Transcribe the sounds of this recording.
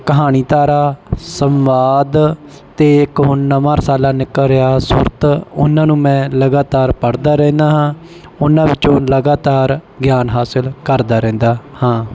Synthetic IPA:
kəɦaːñiːt̪aːɾaːsəmʋaːd̪ | t̪eːɪkɦʊnnəmaːɾsaːlaːnɪkːəlɾɪaːsʊɾt̪ʊ̰nãːnũːmɛ̃ːləɡaːt̪aːɾpəɽd̪aːɾɛ̃ːnd̪aːɦãː | ʊnãːʋɪt͡ʃõːləɡaːt̪aːɾ | ɡjaːnɦaːsɪlkəɾd̪aːɾɛ̃ːnd̪aːhãː

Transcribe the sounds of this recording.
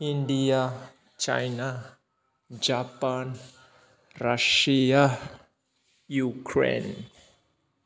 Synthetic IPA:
india | t͡ʃa̰jna | d͡ʒapan | raʃia | jukʰɾḛn

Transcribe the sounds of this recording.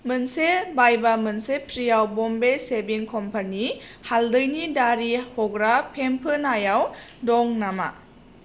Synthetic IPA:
mɯnsebajbamɯnsepʰɾijawbɔmbesebiŋkʰɔmpanihaldɯjnidaɾihɔɡɾapʰempʰɯnajawdɔŋnama̰

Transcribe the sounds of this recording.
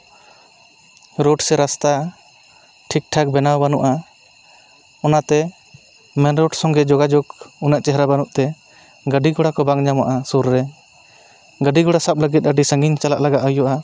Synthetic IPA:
ɾɔɖsɛɾast̪a | ʈʰik̚ʈʰak̚bɛnawbanuʔa | ɔnat̪ɛ | mɛnɾɔɖsɔ̃ŋɡɛd͡ʒɔɡad͡ʒɔɡunaʔt͡ʃɛɦɾabanuʔt̪ɛ | ɡəɖiɡɔɽakɔbaŋɲamaʔasuɾːɛ | ɡəɖiɡɔɽasap̚ləɡit̪̚ˀəɖisə̃ŋɡiɲt͡ʃala̰ʔlaɡaʔɔjɔʔa

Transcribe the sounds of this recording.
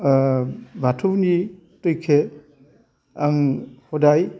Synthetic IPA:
bʱatʰuwni | tujkʰe | aŋhodaj

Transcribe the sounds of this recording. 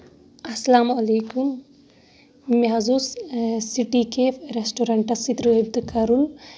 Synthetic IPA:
ɐsːɐlaːmɐleːkum | jaːzussiʈikeɾesʈoɾɐɳʈɐsit̪ɾɨib̚d̪ɨkɐɾul

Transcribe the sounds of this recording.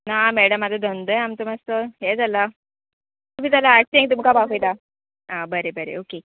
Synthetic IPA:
namɛɽəmːad͡z̪ʱəd̪ʱənd̪eamt͡səmast̪əɦɛd͡zala | t̪umit̪alaːʈ̚t͡ɕiẽŋit̪umkabaʋəjt̪a | abəɾebəɾḛoke

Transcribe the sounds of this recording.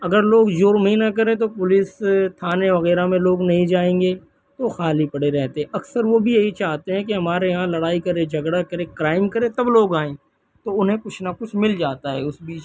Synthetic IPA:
ɐɡəɾloːɡd͡ʒoːɾmɦĩnakɐɾẽt̪̬opʊlɪst̪ʰaːneʋɐɣɛːɾamẽloːɡnɐɦĩd͡ʒaːẽːŋɡe | t̪oxaːlipɐɽeɾɛɦt̪eɦɛ̃ɐksəɾʋobʱijɐɦit͡ʃaːɦt̪eɦɛ̃k̬eɦɐmaːɾeɦãlɐɽaːikɐɾẽd͡ʒʱɐɡɽakɐɾẽkɾaːɪmkɐɾẽt̪ɐbloːɡaːẽː | t̪oʊnɦẽkʊt͡ʃʰnakʊt͡ʃʰmɪld͡ʒaːt̪aɦɛ̰ʊsbiːt͡ʃ

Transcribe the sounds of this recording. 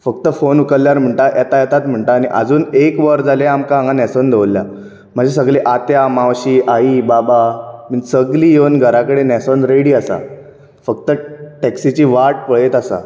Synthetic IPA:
fək̚t̪əfonukəlljaɾm̤əɳʈaʔjɛt̪ajɛt̪at̪m̤əɳʈaːñiʔə̰d͡zuːnekʋəɾd͡zaleamkaãŋɡanɛsond̪ʱeʋlːja̰ | m̤əd͡ʑesəɡleʔat̪jamawɕiːʔaiːbabamənsəɡliːjewnɡʱəɾakəɽenɛsonɾeɽiːasa̰ | fək̚t̪əʈɛksit͡ɕiːʋaʈ̚pəɭet̪asa̰

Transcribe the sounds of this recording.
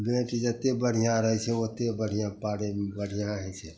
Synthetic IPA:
ɡẽːʈd͡ʒət̪ebəɽ̤ijãɾəɦɛt͡ʃʰɛot̪ebəɽ̤ʱijãpaːɽembəɽ̤ijãəɦɛ̃t͡ʃʰɛ

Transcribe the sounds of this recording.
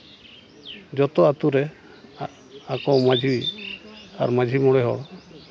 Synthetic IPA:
d͡ʒɔt̪ɔat̪uɾɛ | akɔmad͡ʒʱi | a̰ɾmad͡ʒʱimɔɽɛɦɔ̰ɽ

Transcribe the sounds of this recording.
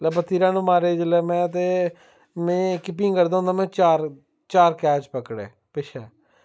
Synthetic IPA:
lɛbət̪ːiːɾãːnũːmaːɾeːd͡ʒəlɛːmɛ̃ːət̪eː | mɛ̃ːkɪp̬ĩkəɾd̪aːɦʊ̃nd̪aːmɛ̃ːt͡ʃaːɾ | t͡ʃaːɾkɛːt͡ʃpəkɽḛː | pɪʃʰɛː

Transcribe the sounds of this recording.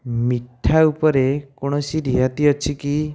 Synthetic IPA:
miʈʰaupɔɾekoɽ̃ɔsiɾiɦat̪iɔt͡ʃʰiki

